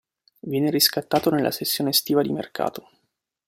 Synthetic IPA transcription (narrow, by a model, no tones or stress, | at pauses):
vjɛːneɾiskat̪ːaːt̪onelːa̰sesːjoːnest̪iːvad̪imḛrkʰa̰ːt̪o